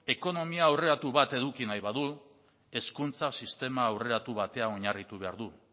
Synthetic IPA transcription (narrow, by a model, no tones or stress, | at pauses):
e̞ko̞no̞miaːwre̞ɾat̪uβat̪e̞ðukinajβaðu | e̞skunt͡sasist̪e̞maːwre̞ɾat̪uβ̞at̪e̞ao̞ɲarit̪uβe̞a̰ɾðu